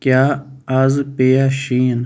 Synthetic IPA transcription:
kjaːazpeːjaʃiːn

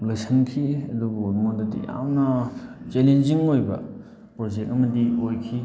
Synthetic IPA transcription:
lɐjsʰɐnkʰiɐdubumondɐtḭja̰mnɐt͡ʃelenziŋojbɐ̰ | pɾod͡ʒek̚ɐmɐdiojkʰi

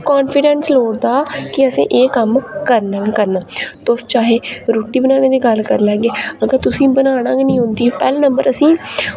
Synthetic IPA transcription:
kaːnpʰɪɖɛnsloːɽd̪aːkɪəsḭ̃ːʔeːkəmkəɾnãːɡekəɾnaːt̪ʊst͡ʃaːɦeːɾoːʈːiːbənaːñeːd̪iːɡəlkəɾlɛːɡeːəɡəɾt̪ʊsĩːbənaːɽãːɡenĩːɦʊ̃nd̪iːoːpɛːlnəmbəɾəsĩː

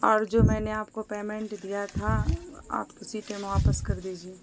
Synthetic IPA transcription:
ɔːɾd͡ʒoːmɛ̃ːneaːpkopeːmɛ̃ɳʈd̪ijat̪ʰaa̰ːpt̪ʊsiʈemʋaːpəskɐɾd̪eːd͡ʒieː

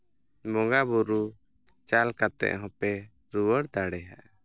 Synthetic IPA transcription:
mɔŋɡabuɾu | t͡ʃalkat̪ɛ̰ʔɦɔ̃pɛ | ɾuwəɽd̪aɽɛɦaʔ

